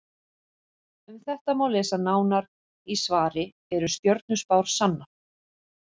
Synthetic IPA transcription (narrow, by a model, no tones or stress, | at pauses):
ʏmθɛht̪amawlɛːsanaːwnaɾ | isvaːɾɪ | ɛɾʏst̪jɔɾt̪̚nʏspawɾ̥sanːa